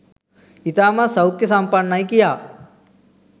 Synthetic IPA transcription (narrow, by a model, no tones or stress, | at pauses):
it̪aːmãsəwkesampanːaĩkijaː